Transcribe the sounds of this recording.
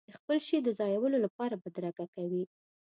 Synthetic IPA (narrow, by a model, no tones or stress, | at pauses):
d̪əxpəlʃed̪əzɑjawəlolapɑɾabad̪ɾakakawi